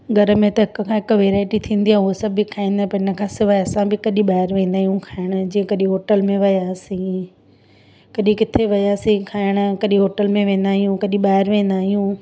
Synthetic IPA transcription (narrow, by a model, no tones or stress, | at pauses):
ɡʱɐɾəmẽt̪ɐɦɪkkʰãːɦɪkʋeːɾaːɪʈit̪ʰĩːnd̪iaːɦuosɐbʱikʰaːĩːnd̪aẽpɐɦɪ̃nə̆kʰãːsɪʋaɐsãbɪkɐɗĩɓaːɦɪɾʋẽːnd̪aːɦijũkʰaːɪɽ̃ə̆d͡ʑĩːẽkɐɗĩɦoːʈəlmẽʋɐjaːsĩ | kɐɗĩkɪt̪ʰeʋɐjaːsĩkʰaːɪɽ̃əkɐɗĩɦoːʈəlmẽʋẽːn̆d̪aːɦijũkɐɗĩɓaːɪɾʋẽːnd̪aːɦijũː